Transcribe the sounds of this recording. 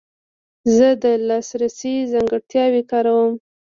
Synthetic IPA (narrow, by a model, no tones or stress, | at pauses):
zəd̪əlɑsɾasizaŋɡəɽt̪jɑwekɑɾawəm